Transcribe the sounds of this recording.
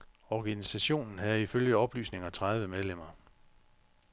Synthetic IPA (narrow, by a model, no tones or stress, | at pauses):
ɒɡ̥ænisæɕo̝̰ːnn̩ɦæð̩ˠiføljəɒ̽b̥ly̰ːsne̝ŋɐt͡sʰʁaðˠʋəmeð̞ˠlem̰ɐ